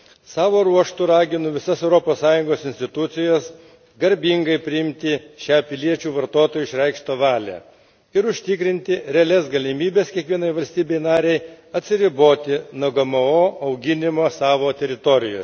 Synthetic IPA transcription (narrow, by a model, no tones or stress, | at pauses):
sɑːʋoːɾuɔʃt̪ʊɾɑːɡʲɪnʊʋʲɪsɐsɛʊɾɔpoːssɑːjʊŋɡoːsɪnsʲt̪ʲɪt̪ʊt̪sʲɪjɛs | ɡɐɾʲbʲɪŋɡɐɪpʲɾʲɪɪmʲt̪ʲɪʃʲæːpʲɪlʲiɛt͡ʃʲuːʋɐɾt̪oːt̪oːjʊɪʃʲɾʲɛɪkʃt̪oːʋɑːlʲæ̰ː | ɪɾʊʃʲt̪ʲɪkɾʲɪnʲt̪ʲɪɾʲɛɐlʲɛsɡɐlʲɪmʲiːbʲɛskʲiɛkʋʲiɛnɐɪʋɐlʲsʲt̪ʲiːbʲɛɪnɑːɾʲɛɪ | ɐt̪ʲsʲɪɾʲɪboːt̪ʲɪnoɡɐmɐoːɐʊɡʲɪnʲɪmoːsɑːʋoːt̪ʲɛɾʲɪt̪ɔɾʲɪjo̰ː